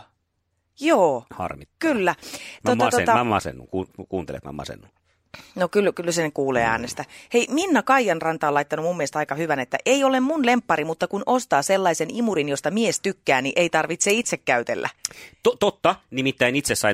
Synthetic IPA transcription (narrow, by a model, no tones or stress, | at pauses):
joːhɑ̰rmit̪kylːæt̪oɑst̪ot̪ɑmɑ̰sḛnːṵŋkuːkuːnt̪ḛlḛt̪mɑ̰mɑ̰sḛnːu | nokylkylsenkuːlḛːæ̰ːnest̪æheiminːækɑijɑnrɑnt̪ɑːlɑit̪ːɑnumumːiest̪ɑikɑhyʋænet̪ːæ̰ʔeijolemmunlempːɑɾimut̪ːɑkunost̪ɑːselːɑisenimuɾinjost̪ɑmiest̪ykːæːniʔeit̪ɑrʋit̪seit̪sekːæyt̪ḛlːʔæ̰t̪ot̪ot̪ːɑnimit̪ːæinit̪sessɑi